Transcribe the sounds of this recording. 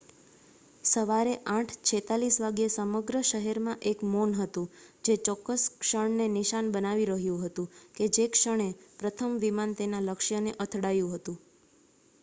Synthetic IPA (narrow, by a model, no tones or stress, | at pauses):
səʋaɾeʔãʈʰt͡ʃʰet̪alisʋaɡjesəməɡɾəʃəɦɛɾmãʔekmonɦət̪ũd͡ʒet͡ʃɔkːəskʃəɳneniʃanbənaʋiɾəɦjũɦət̪ũked͡ʒekʃəɳ̃epɾət̪ʰəmʋimant̪enaləkʃjəneʔət̪ʰɽajũɦət̪ũ